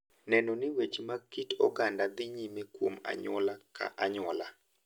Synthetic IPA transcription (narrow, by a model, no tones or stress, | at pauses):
nɛnonɪwet͡ʃmakitɔɡandad̪ɪɲimekwoma̰ɲɔlakʰa̰ʔaɲɔla